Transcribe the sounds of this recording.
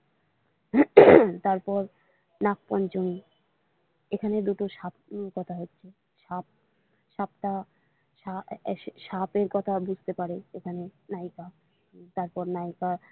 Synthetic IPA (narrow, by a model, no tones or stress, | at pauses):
t̪aɾpɔɾ | nak̚pɔnt͡ɕoni | ekʰaned̪uʈoʃapnokɔt̪ʰaɦotːɕʰe | ʃap̚ | ʃapʈa | ʃaʃapeɾkɔt̪ʰabud͡ʑʱt̪epaɾeekʰanenajka | t̪aɾpɔɾnajka